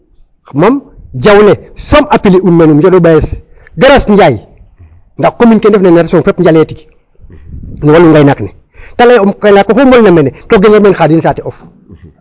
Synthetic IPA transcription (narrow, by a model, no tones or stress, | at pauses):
mamɟawlesomʔapiliunmenumd͡ʒodobaes | ɡaɾasɲɟaj | ndakkominkendefneneɾsoŋpepɲɟaletik | niwaluŋɡajnakne | taleumkanakːoxuŋolnamenetoɡeneɾmeːnxadinsaːtiof